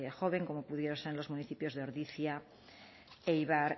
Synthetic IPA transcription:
exoβ̞eŋkomopuðjeɾoselo̞zmuniθipjo̞zðeoɾðiθja | ejβaɾ

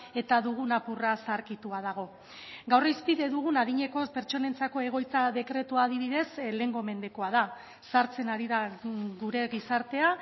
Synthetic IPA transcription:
e̞t̪aðuɣ̞unapurasaɾkit̪uað̞aɣ̞o̞ | ɡawrispiðe̞ðuɣunaðiɲe̞ko̞pe̞ɾt͡ʃo̞ne̞nt͡sako̞e̞ɣ̞o̞jt͡saðe̞kɾe̞t̪uaːðiβiðe̞sle̞ŋɡo̞me̞nd̪e̞ko̞aða | saɾt͡se̞naɾiðaɣuɾe̞ɣisaɾt̪e̞a

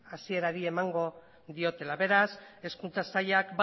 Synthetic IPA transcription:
asie̞ɾaɾie̞maŋɡo̞ | ðio̞t̪e̞laβe̞ɾase̞skunt͡sasaʎakb

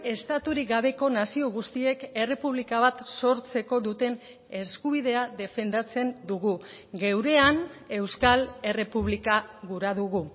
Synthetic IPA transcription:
e̞st̪at̪uɾiɡaβe̞ko̞nasio̞ɣ̞ust̪ie̞ke̞re̞puβ̞likaβ̞at̪so̞ɾt͡se̞ko̞ðut̪e̞n | e̞skuβ̞iðe̞aðe̞fe̞nd̪at͡se̞nd̪uɣu | ɡe̞wɾe̞ane̞wskale̞re̞puβlikaɣuɾaðuɣ̞u

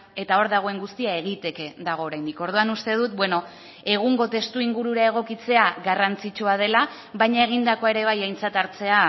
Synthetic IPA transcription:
e̞t̪ao̞ɾðaɣ̞o̞e̞ŋɡust̪iae̞ɣ̞it̪e̞ke̞ðaɣ̞o̞ːɾajnd̪iko̞ɾð̞uanust̪e̞ð̞ut̪̚bwe̞no̞ | e̞ɣ̞uŋɡo̞t̪e̞st̪uiŋɡuɾuɾae̞ɣ̞o̞kit͡se̞aɣarant͡sit͡ʃuað̞e̞la | βaɲae̞ɣ̞ind̪ako̞e̞ɾe̞β̞ajajnt͡sat̪aɾt͡se̞a

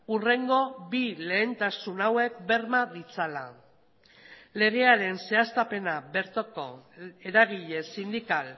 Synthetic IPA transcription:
ure̞ŋɡo̞bile̞ːnt̪asunawe̞k̚be̞ɾmaðit͡sala | le̞ɣ̞e̞aɾe̞nse̞ast̪ape̞naβe̞ɾt͡s̪oko̞̰e̞ɾaɣiʎe̞sind̪ikal

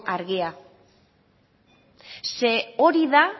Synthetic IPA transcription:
aɾɣia | seoɾiða

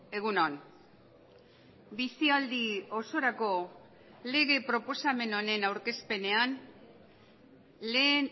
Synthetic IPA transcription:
e̞ɣ̞unon | bisiald̪io̞so̞ɾako̞ | le̞ɣ̞e̞pɾo̞po̞same̞no̞ne̞nawɾke̞spe̞ne̞an | le̞ːn

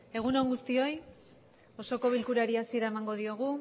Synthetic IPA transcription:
e̞ɣ̞uno̞ŋɡust̪io̞j | o̞so̞ko̞β̞ilkuɾaɾiasie̞ɾae̞maŋɡo̞ðio̞ɣ̞u

